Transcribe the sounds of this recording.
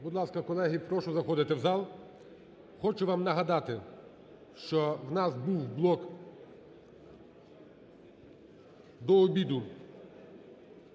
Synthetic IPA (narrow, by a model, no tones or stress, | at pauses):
bʊd̪lˠɑskɐkɔlˠɛɦipɾɔʃɔzɐxɔd̪ɪt̪ɪwzɑlˠ | xɔt͡ʃʊʋɑmnɐɦɐd̪ɑt̪ɪ | ʃt͡ʃɔwnɑzbuwblˠɔk | d̪ɔːbʲid̪ʊ